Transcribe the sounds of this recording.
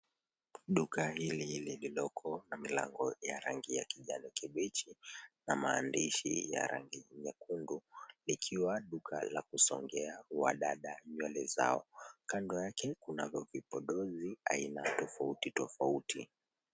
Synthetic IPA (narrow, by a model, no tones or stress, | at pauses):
ɗukahililililɔkʰɔnamila̰ŋɡɔjaɾaŋɡijakiʄanikʰiɓɛt͡ʃinamaːndiʃḭja̰ɾa̰ŋɡiɲakundulikʰiwaɗukʰalakusɔŋɡɛawa̰ɗaɗaɲwɛlɛza̰ɔkandɔjakɛkunavjɔvipɔɗɔzia̰inatɔfautitɔfautʰi